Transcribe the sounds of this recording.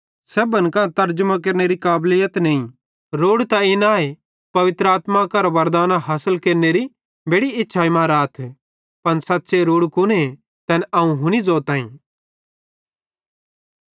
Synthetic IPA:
sɛbɐnkãt̪ɐɾd͡ʒmãk̬ɐɾneɾikaːblɪjət̪nɐĩ | ɾoːɽt̪aɪnaːe | pɐʋɪt̪ɾəaːt̪makɐɾʋɐɾd̪aːnaɦɐsəlkeːɾneɾi | beːɽiɪtːʃʰaːimãːɾaːt̪ʰɛ | pɐnsɐtːseɾoːɽkʊne | t̪ɛnɐũɦʊnid͡zoːt̪aːḭ̃

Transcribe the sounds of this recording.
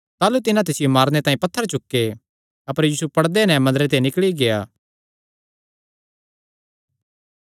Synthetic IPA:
t̪aːlut̪ɪnãt̪̬esɪjomaːɾnet̪ãːĩpɐt̪ʰːəɾt͡ʃʊkːe | ɐpəɾjiːsupɐɽd̪enɛmɐnd̪əɾet̪̬enɪkɭiɡejaː

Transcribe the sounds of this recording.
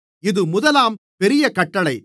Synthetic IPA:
ɪðɯmʊðɐlaːm | pɛɾɪjɐkɐʈːɐɭɐɪ

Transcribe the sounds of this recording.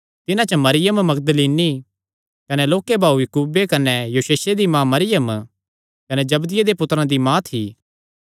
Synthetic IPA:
t̪ɪnãt͡ʃmɐɾɪjəmmɐɡd̪əliːni | kɐnɛloːkebʱaːujɐkuːbekɐnɛjuʃeːsed̪imãmɐɾɪjəm | kɐned͡ʒɐbd̪ɪjed̪epʊt̪ɾãd̪imãːt̪ʰiː

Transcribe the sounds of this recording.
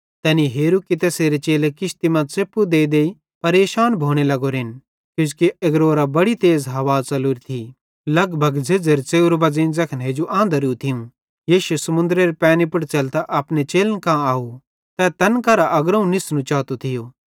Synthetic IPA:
t̪ɛːniɦeːɾukit̪ɛːseːɾet͡ʃeːlekɪʃt̪imɐ̃seːpːud̪eːid̪eːi | pɐɾeːʃaːnbʱoːɽ̃elɐɡoɾɪn | kjʊ̃skiɐɡɾoːɾabɐɽit̪eːzɦɐʋaːt͡sɐluːɾt̪ʰi | lɐɡbʱɐɡd͡zed͡zɐɾt͡seːuɾbɐd͡zĩnd͡zɐkʰnɦeːd͡ʒuʔãːnd̪əɾiut̪ʰɪũ | jiːʃusɐmʊ̃nd̪ɾeɾipɛ̃ːnipʊʈt͡ʃɐlt̪aʔɐpnet͡ʃeːlənkãaːu | t̪ɛt̪ɐnkɐɾaʔɐɡɾɐũnɪsnũt͡ʃaːt̪ot̪ʰɪjoː

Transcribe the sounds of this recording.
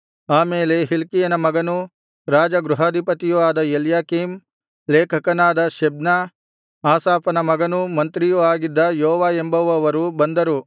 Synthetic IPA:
aːmeːle̞ɦilkijɐnɐmɐɡɐnu | ɾaːd͡ʒɐɡɾuɦɐd̪ʱipɐt̪ijuʋaːd̪ɐeljaːkim | leːkʰɐkɐnaːd̪ɐʃɐbnɐ | aːsaːpɐnɐmɐɡɐnumɐnt̪ɾijuaːɡid̪ːɐjɔɔʋaːembɐʋɐʋɐɾubɐnd̪ɐɾu

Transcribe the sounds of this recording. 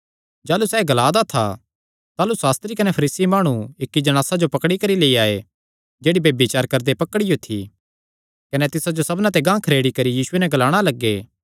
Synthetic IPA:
d͡ʒaːlusɛːɡɐlaːd̪at̪ʰa̰ | t̪aːlusaːst̪ɾikɐnɛpʰɐɾiːsimaːɽ̃uɪkːid͡ʒɐɽ̃aːsad͡ʒopɐkɽikɐɾileːiaːe | d͡ʒeːɽibebit͡ʃaːɾkɐɾd̪epɐkəɽijot̪ʰḭ | kɐnɛt̪ɪsad͡ʒosɐbnãt̪̬eɡãːkʰɐɾeːɽikɐɾijiːsʊenɛɡɐlaːɽ̃alɐɡːeː

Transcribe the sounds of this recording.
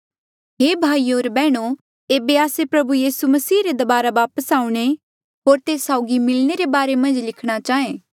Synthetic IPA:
ɦeːbʱaːioːɾbɛːɽ̃o | eːbeaːsepɾɐbujiːsumɐsiːɾed̪ɐbaːɾaʋaːpəsaːũɽ̃e | ɦoːɾt̪eːsaːʊɡimɪlñeɾebaːɾemɐ̃nd͡ʒlɪkʰɽ̃at͡ʃaːẽː

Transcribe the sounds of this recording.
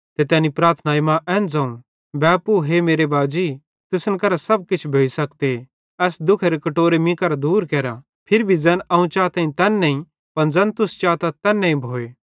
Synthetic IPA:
t̪et̪ɛ̃ːnipɾaːɾt̪ʰnaːimãʔɛːnd͡zãːũ | bɛːpːuɦemeːɾebaːd͡ʒiː | t̪ʊsənkɐɾasɐb̚kɪt͡ʃʰbʱeːisɐk̚t̪e | ɛːsd̪ʊkʰeɾekɐʈoːɾemĩkɐɾad̪uːɾkɛːɾa | pʰɪɾbʱid͡zɛnʔɐũt͡ʃaːt̪ãːĩt̪ɛːnːɐĩ | pɐnd͡zɛnt̪ʊst͡ʃaːt̪at̪ɛːnːɛ̃ĩbʱoːeː

